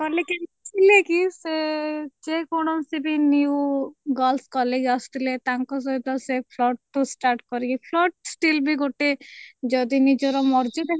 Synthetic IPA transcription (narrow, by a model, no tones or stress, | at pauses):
kɔlekint͡ʃʰilekised͡ʒekoɽ̃ɔsibiniuɡɔlskɔled͡ʒast̪ʰilet̪aŋkɔs̬ɔit̪ɔsepʰlɔʈ̚ːusʈaɾʈkɔɾikipʰlɔʈ̚sʈilbʱiɡoʈed͡ʒɔd̪inid͡ʒɔɾɔmɔɾd͡ʒed̪e